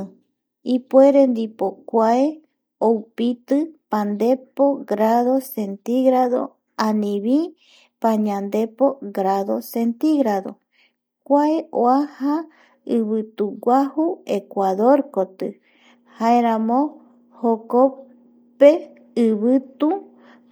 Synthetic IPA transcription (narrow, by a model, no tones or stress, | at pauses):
ipwe̞ɾend̪ipokʷae | owpit̪ɨpãnd̪e̞poɡɾaðo̞se̞nt̪iɣɾaðo̰ | ãnĩβi | pãɲãnd̪e̞poɡɾaðo̞sent̪iɣɾaðo̰ | kʷaeʔoaha | ɨβɨt̪uɡʷahuekʷaðoɾkot̪ɨ | haeɾãmõ | hoko | pe | ɨβɨt̪u